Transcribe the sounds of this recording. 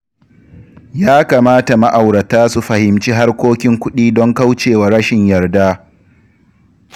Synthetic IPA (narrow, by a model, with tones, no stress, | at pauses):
jaː˦kaː˨maː˦ta˨ma˦ʔa˨wɽɐ˨taː˦su˨ɸɐ˨hɪ˨mt͡ʃiː˦ɦa˦rkʷoː˦kʲɪ˦ŋkʷʊ˦ɗiː˦dɔ˦ŋka˦wt͡ʃeː˨wa˨ɾɐ˦ʃɪ˨ɲjɐ˨rda˦